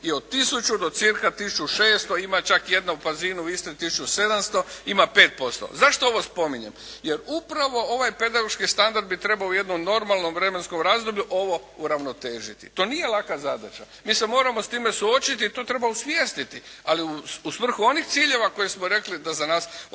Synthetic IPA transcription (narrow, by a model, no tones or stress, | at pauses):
iod̪̚t̪isut͡ʃud̪o̞t̪siɾkat̪isut͡ʃuʃeːst̪oimat͡ʃakje̞d̪naupaziːnuist̪et̪isut͡ʃuse̞d̪amst̪o̞imape̞ːt̪̚po̞st̪o̰zaʃt̪oo̞ʋo̞spo̞miɲe̞mje̞ɾupɾaʋo̞o̞ʋajpe̞d̪aɡo̞ʃkist̪and̪aɾd̪bit̪ɾe̞bauje̞d̪nomno̞ɾmalˠno̞mʋɾe̞me̞nsko̞mɾaːzd̪o̞bʎuʔo̞ʋo̞ | uɾaʋno̞t̪e̞ːʒit̪ḭt̪o̞ːnije̞lˠakazad̪a̰t͡ʃa̰ | miːse̞moːɾamost̪iːme̞suo̞t͡ʃit̪iːt̪o̞ːt̪ɾe̞bausʋjeːst̪it̪ialiuusʋr̩xuo̞nixt̪siːʎe̞ʋako̞jesmo̞ɾe̞klid̪azanaːs